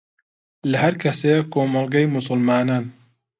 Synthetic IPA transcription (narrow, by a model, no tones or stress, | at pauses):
lɐɦɐɾkʰɐsekʰoːmɐlˠɡɐjmʊsʊlmaːnaːn